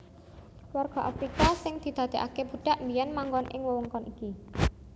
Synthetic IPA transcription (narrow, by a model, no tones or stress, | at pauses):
warɡ̥ɔ̤ʔafɾikasɪŋd̪̥i̤d̪̥a̤d̪̥e̤ʔakeb̥ṳɖ̥a̤ʔmbijɛnmaŋɡɔnʔɪ̰ŋwəwəŋkɔniki